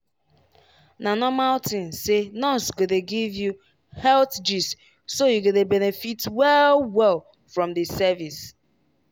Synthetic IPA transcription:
nanɔmaʊtɪ̃nsenɔnsɡodeɡivju | hɛltd͡ʒis | sojuɡodebɛnefitwɛlwɛl | fɾɔ̃mdɪsɛvis

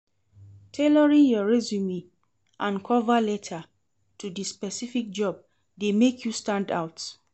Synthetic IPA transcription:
tʰelɔɹĩnjɔɹɛzjumĩ | ʔãnkʰɔvalɛtʰa | tʰudispɛsifik̚d͡ʒɔb̚ | demekʰjustãnda̰wt

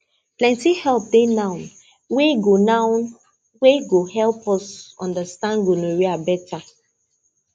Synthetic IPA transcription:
plɛ̃ntihɛlp̚denãʊn | weɡonan | weɡohɛlpɔsɔ̰̃ndastãnɡonoɹiabɛtʰa

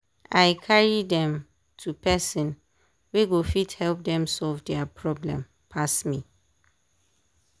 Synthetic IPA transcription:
aɪkʰaɹidɛ̃m | tʰupʰɛsɔ̃n | weɡofithɛlp̚dɛ̃msɔlvdɛapʰɹɔblɛ̰̃m | pʰasmĩ

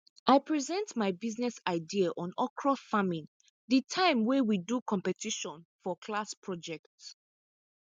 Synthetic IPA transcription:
ʔaɪpʰɹizɛ̃ntmaɪbiznɛsaɪdiaʔɔ̃nɔkʰɹɔfamĩn | ðitʰãɪ̃mwɛwidukʰɔ̃mpɛtʰiʃɔ̃nfɔkʰlaspʰɹɔd͡ʒɛkts

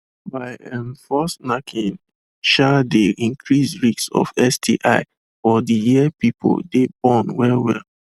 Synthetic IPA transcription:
baɪɛ̃nfɔsnakʰĩn | ʃadeĩŋkʰɹisɹiksɔ̰fɛsdʰḭʔaɪ | ɔdijiɛpipʰo̰ldebɔ̃nwɛlwɛ̰l

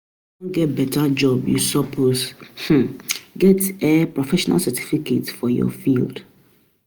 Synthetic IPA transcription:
õɡɛt̚bɛtʰad͡ʒɔbjṵsɔpʰosh̩ɡɛtepɹɔfɛʃɔna̰lsɛtʰi̥fikʰetfɔjɔ̰fild̥

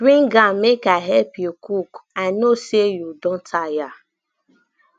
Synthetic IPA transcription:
dɹĩŋɡãmekaɦɛlpjukʰukãɪnosejudɔ̃ntʰaja

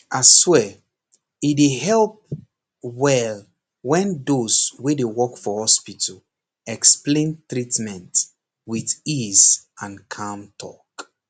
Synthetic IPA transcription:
ʔaswɛ | ideɦɛlp̚ | wɛl | wɛ̃ndoswedewɔkfɔhɔspitʰəl | ɛksplẽntɹitmɛ̃nt | wiθisãnkʰãmtʰɔ̰k

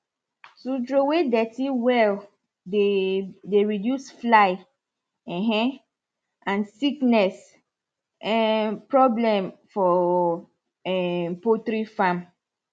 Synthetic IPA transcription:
sutɹowedɛtiwɛl | edeɹidjusflaɪ | ɛ̃ɦɛ̃ | ãnsiknɛs | ɛpɹɔblɛ̃mfɔ | ɛpotɾifãm

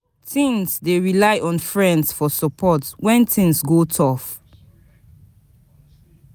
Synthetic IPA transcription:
tʰĩnsdeɹilaɪʔɔ̃nfɹɛ̃ndsfɔsɔpʰɔtwɛ̃ntʰĩŋsɡotʰɔf

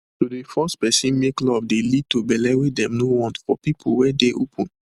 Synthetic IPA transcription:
todefɔspɛsĩnmeklɔvdelid̚tobɛlɛɹedɛ̃mnowɔ̃ntfɔ̰pipʰulwɛdeʔopʰə̃n

